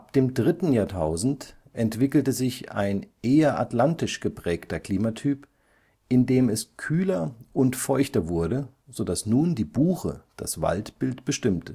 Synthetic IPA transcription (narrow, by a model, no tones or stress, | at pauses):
ʔap̚d̥eːmdʁɪtn̩jaːɐtʰaʊzn̩t | ʔɛntv̥ɪkl̩təzɪça̰ɪnʔeːɐʔa̰tlantɪʃɡ̥əpʁ̥ɛːktɐkl̥iːmatʰyːp | ʔɪndeːmɛskʰyːlɐʔʊntfɔʏçtɐvʊɐdə | zodasnuːndiːbuːχə̰d̥a̰sv̥a̰ltb̥ɪltb̥əʃtɪmtə